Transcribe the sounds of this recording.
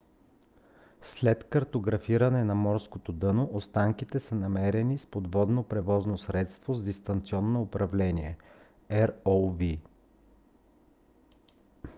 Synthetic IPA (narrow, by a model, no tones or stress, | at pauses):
slɛt̪kɐɾt̪oɡɾɐfiɾɐnɛnɐmɔɾskot̪od̪ɤnoʔost̪aŋkit̪ɛsənɐmɛɾɛnispod̪vɔd̪nopɾɛvɔznosɾɛt̪st̪vozd̪ist̪ɐnt̪siɔnːoːpɾɐvlɛniɛ | ɛɾolˠvi